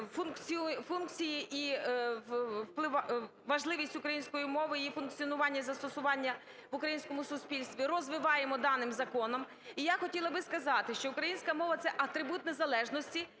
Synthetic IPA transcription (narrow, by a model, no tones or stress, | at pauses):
funkt͡sʲifunkt͡sʲijiʔi | wplˠɪʋ | ʋɐʒlˠɪʋʲisʲtʲʊkɾɐjinʲsʲkɔjimɔʋɪifʊnkt͡sʲiɔnʊʋɑnʲːɐzɐst̪ɔsʊʋɑnʲːɐ | ʋʊkɾɐjinsʲkɔmʊsʊspʲilʲst̪ʋʲirɔzʋɪʋɑjemɔd̪ɑnɪmzɐkɔnɔm | ijaxɔtʲilˠɐbɪskɐzɑt̪ɪʃt͡ʃɔʊkɾɐjinʲsʲkɐmɔʋɐt̪sɛʔɐt̪ɾɪbut̪nezɐlˠɛʒnɔsʲtʲi